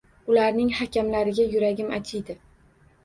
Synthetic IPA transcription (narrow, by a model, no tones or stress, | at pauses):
ʊlaɾnɪŋhakʲamlaɾɪɡʲajʊɾaɡʲɪmat͡ʃʰɪjd̪ɪ